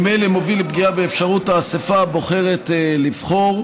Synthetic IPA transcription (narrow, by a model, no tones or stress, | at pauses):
mejlemovilebɡiabeefʃaʁutaːsefabo̞χe̞ʁetelivχo̞ʁ